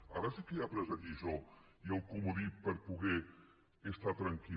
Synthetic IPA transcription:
a̰ɾəsikejapɾɛzaʎiʒɔ | ialˠkumuðipəɾpuɣɛː | st̪at̪ɾaŋki

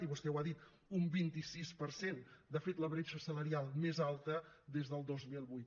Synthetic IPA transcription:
iβust̪ɛwaðit̪ | umbint̪isispəɾsend̪əfet̪ləβɾeʃəsələɾialˠmezalˠt̪əd̪ezðəlˠd̪ozmilˠβujt̪

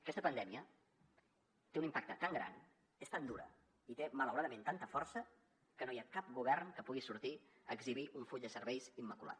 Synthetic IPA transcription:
əkɛst̪əpənd̪ɛmiə | t̪eunimpak̚t̪ət̪aŋɡɾa̰n | est̪and̪uɾə̰ | it̪emələwɾaðəment̪ant̪əfɔrsə | kənojakap̚ɡuβɛrnkəpuɣisuɾt̪iəɡziβ̞iʔuɱfuʎd̪əsəɾβɛjzimːəkula̰t̪

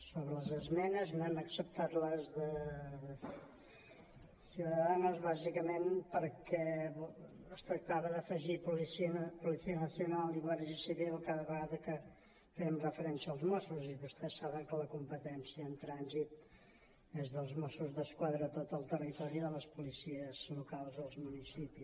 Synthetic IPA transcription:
soβɾələzəzmɛnəznaməksəp̚t̪at̪ləzðə | suwðəðanuzβazikəmenpəɾkɛ | əst̪ɾək̚t̪aβəðəfəʒipulisiəpulisiənəsiunalˠiɣaɾʒisiβilˠkaðəβəɣaðəkə | fɛmrəfəɾɛnsiəːlˠzmɔsuziβust̪ɛsːaβəŋkələkumpət̪ɛnsiəːnt̪ɾanzit̪ | ezðəlˠzmɔsuzðəskwaðɾət̪ot̪əlˠt̪ərit̪ɔɾiðələspulisiəzlukalˠzəlˠzmunisipis

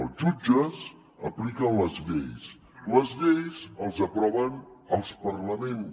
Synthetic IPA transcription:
əlˠʒud͡ʒəz | ə̰plikənləzβḛjs | ləzβejzəlˠzəpɾɔβənəlˠspərləmen

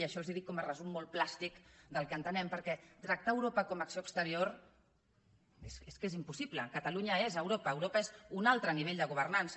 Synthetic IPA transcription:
iəʃɔlˠziðikːɔmərəzumːolˠplast̪ikd̪əlˠkənt̪ənɛmpəɾkɛt̪ɾək̚t̪aəwɾopəkɔməksioəkst̪əɾior | eseskezimpusipləkət̪əluɲəezəwɾopəːwɾopaezunalˠt̪ɾəniβeʎd̪əɣuβərnansə

